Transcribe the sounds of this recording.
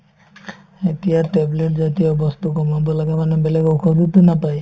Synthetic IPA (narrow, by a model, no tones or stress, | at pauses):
et̪ijaʈebleʈd͡ʒat̪iobɔst̪ukɔmabɔlaɡemanebeleɡowkʰɔd̪ut̪unapaj